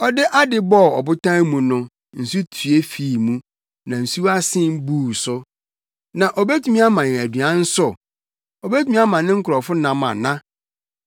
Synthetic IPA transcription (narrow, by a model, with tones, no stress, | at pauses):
ɔ˦dɪ˦ʔa˦dɪ˦bɔ˦˨ɔ˨bʊ˦tʰã˦mũ˨nʊ̃˦ | n̩˨su˦tʰɥe˦fiː˨mũ˦ | nã˨n̩˨su˦a˦sɪ̃˦m˦bu˦˨sʊ˦ | nã˨ʔɔ˨be˦tʰu˨˦mĩ˦a˦mã˨jɪ̃˨æ˨dɥã˦n̩˦sʊ˦ | ɔ˨be˦tʰu˦mĩ˦a˦mã˨nɪ̃˦ŋ̩˦kʰʊ˨ɾɔ˨fʊ˦nã˨mã̰˨nã˦